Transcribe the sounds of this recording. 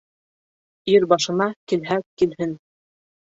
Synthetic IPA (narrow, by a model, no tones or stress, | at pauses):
iɾbɑʃɤ̆nɑkilɦækilɦɘn